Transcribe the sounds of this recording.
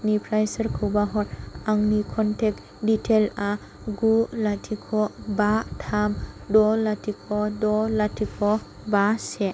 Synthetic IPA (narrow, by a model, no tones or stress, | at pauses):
nipʰɾajsəɾkʰɯwbaɦɔɾaŋnikʰɔntʰek̚ | ditʰela | ɡulatʰikʰɔbatʰamdɔlatʰikʰɔdɔlatʰikʰɔ | base